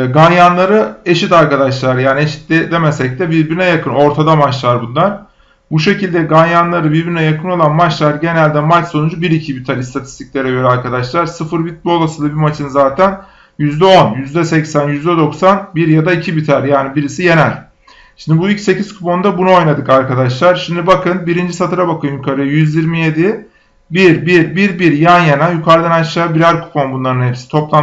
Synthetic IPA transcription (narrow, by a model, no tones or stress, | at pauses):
ɡanjanlˠaɾɯe̞ʃit̪aɾkad̪aʃlˠaɾjaːnieʃi̥t̪d̪ɛd̪emɛsɛc̚t̪ɛbiɾbiɾinɛjakʰɯno̞ɾt̪ʰad̪amat͡ʃlˠaɾbund̪aɾ | buʃe̞cilʲd̪ɛɡanjanlˠaɾɯbiɾbiɾinɛjakʰɯno̞lˠanmat͡ʃlˠaɾɟe̞nælʲd̪ɛmat͡ʃso̞nud͡ʒubiɾicʰibit̪ʰaɾist̪ʰat̪ʰi̥st̪ʰicʲlʲe̞ɾɛɟø̞ɾɛaɾkʰad̪aʃlˠaɾsɯfɯɾbit̪̚bolˠasɯlˠabimat͡ʃʰɯnzaːt̪ʰæn | jyzd̪ɛo̞njyzd̪ɛsɛcsænjyzd̪ɛd̪o̞ksanbiɾjad̪aicʰibit̪ʰaɾjaːnibiɾisije̞nælʲ | ʃʃimd̪ibuycʲse̞cizkʰupo̞nd̪abunuo̞jnad̪ɯkaɾkʰad̪aʃlˠaɾʃimd̪ibakʰɯnbiɾind͡ʒisat̪ʰɯɾabakɯnjukʰaɾɯjjyzjiɾmije̞d̪i | biɾbiɾbiɾbiɾjanjanajukʰaɾd̪anaʃlˠaːbiɾaɾkʰu̥pʰo̞nbunlˠaɾɯnhepsi̥t̪ʰo̞plˠa